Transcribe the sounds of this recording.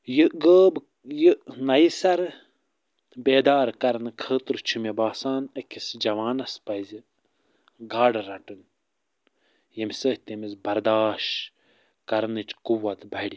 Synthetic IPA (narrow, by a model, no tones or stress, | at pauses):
jɨɡəːb | jənɐjsɐɾ | beːd̪aːɾkɐɾnɨkʰəːt̪ɾt͡ʃʰumebaːsaːnɐkʲisd͡ʒɐʋaːnɐspɐzi | ɡaːɖɐɾɐʈɨn | jɐmʲsəht̪ʲemizbɐɾd̪aːʃ | kɐɾnɨt͡ʃkuwɐt̪bʱɐɽʲi